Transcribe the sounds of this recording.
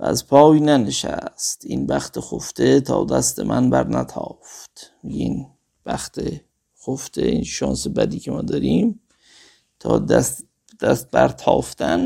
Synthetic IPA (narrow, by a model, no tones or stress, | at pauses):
æ̰zpʰɒːjnæneʃæst̪inbæxt̪exoft̪et̪ʰɒːd̪æst̪emʔænbæɾnæt̪ʰɒːft̪miɡein | b̥æxt̪ʰe | xoft̪ʰeinʃɒːnsebæd̪iːkʰemɒːd̪ɒɾiːm | t̪ʰɒːd̪æst̪ | d̪̥æst̪̚bæɾt̪ʰɒːft̪æn